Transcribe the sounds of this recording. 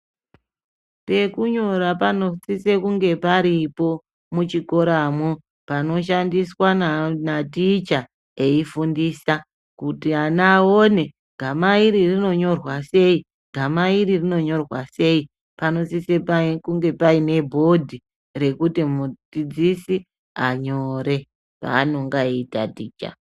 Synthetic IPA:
pe̞kuɲo̞ɾapano̞sise̞kuŋɡe̞paɾipo̞ | mut͡ʃiko̞ɾamu | pano̞ʃ̬andiswanatit͡ʃa | e̞ifundiːsa | kutianaone̞ | ɡ̥ʱamaiɾirino̞ɲo̞rwase̞i | ɡ̥ʱamaiɾirino̞ɲo̞rwase̞i | pano̞sisepakuŋɡe̞paine̞bʱo̞dʱi | re̞kutimud͡zid͡zisi | aɲo̞ɾe̞ | pa̰ːno̞ŋɡaitatiːt͡ʃa̰

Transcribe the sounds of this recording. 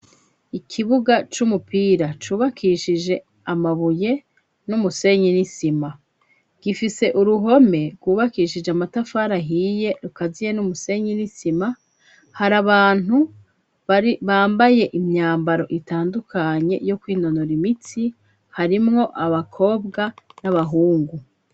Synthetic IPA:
ikʰiβuɡat͡ʃumupiːɾat͡ʃuːβakʰiʃid͡ʒe̞ | amaβuje̞ | numuse̞ɲinisima | ɡ̥ifise̞ʔuɾuɦo̞me̞ɡuːβakiːʃid͡ʒeamatafaːɾaɦiːje̞ɾukazije̞numuse̞ɲinisima | haɾaβaːnu | βaːmbaje̞ʔimɲaːmbaɾo̞̰ʔitaːndukʰaɲe̞̰jo̞kwiːno̞noɾimiti | haɾimŋo̞ʔaβakʰo̞ːbɡanaβaɦuːŋɡu

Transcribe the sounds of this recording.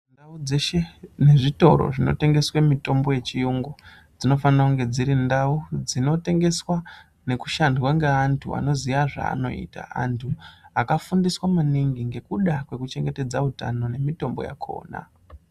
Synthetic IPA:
ndaud͡zeʃe̞ne̞ʐito̞̰ɾo̞̰ʐino̞̰te̞ŋɡe̞swemito̞mbo̞je̞t͡ʃijuŋɡo | d͡zino̞fanirakuŋɡe̞d͡ziɾindaud͡zino̞te̞ŋɡe̞swa | ne̞ku̥ʃandwaŋɡeantʰua̰no̞ziʋaʐa̰ːno̞̰ḭːta̰a̰ntʰuakafundiswamaniŋɡiŋɡe̞kuɗakwe̞kut͡ʃe̞ŋɡe̞te̞d͡zauta̰no̞ne̞mito̞mbo̞̰ja̰kʰo̞̰ːna̰

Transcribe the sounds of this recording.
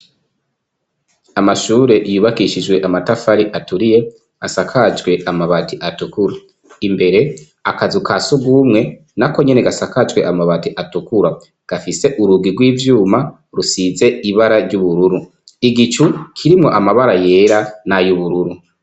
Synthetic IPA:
amaʃuːɾe̞ʔjuβakiʃid͡ʒwe̞ʔamatafaɾiʔatuɾije̞ | asakʰad͡ʒɡwe̞ʔamaβatiʔatukuɾa | imbe̞ɾe̞ | akazukʰasuɡumŋe̞ | nako̞ɲene̞ɡasakad͡ʒɡwe̞ʔamaβatiʔatukuɾa | ɡ̥afise̞ʔuɾuɡiɡwiːvjuːma | ɾusize̞iβaɾaɾɟuβuɾuɾu | iɡit͡ʃukʰiɾimŋo̞̰ʔamaβaɾaje̞ːɾanajuβuɾuɾu

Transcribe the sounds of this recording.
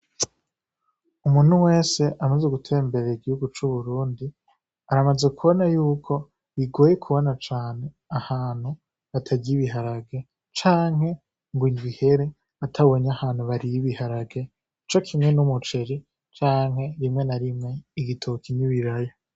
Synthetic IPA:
umuːn̥huwe̞ːse̞ʔamazeɡutʰe̞ːmbe̞ɾeɾiɡihuɡut͡ʃuβuɾuːndi | aɾamazekuβonajuːkʰo̞ | iɡo̞ːjekʰuβo̞nat͡ʃaːne̞ | ahaːn̥hu | βatʰaɟiβiɦaɾaɡe̞ | t͡ʃaːŋ̥he̞ | ŋɡwindwiheɾe̞ | atʰaβo̞ɲahaːn̥huβaɾiiβihaɾaɡe̞ | it͡ʃo̞kʰimŋe̞numut͡ʃe̞ɾi | t͡ʃaːŋhe̞ɾimŋe̞naɾimŋe̞iɡitʰokʰiniβiɾaja

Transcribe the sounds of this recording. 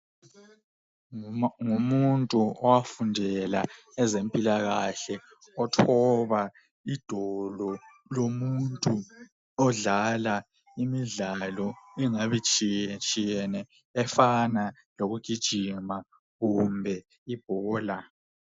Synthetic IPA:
ŋumuntʼuɔwafundʱɛla̰ | ɛzempʼilaɣaɬɛ | ɔtʰɔβa | id̥ʱɔlɔ | lomuntʼu | ɔɮala | imiɮalɔɛŋaβit͡ʃʼit͡ʃʼijɛnɛ | ɛfana | loɣuɡ̥ʱid̥ʒ̥ʱima | ɣumbʱɛ | ib̥ʱɔːla

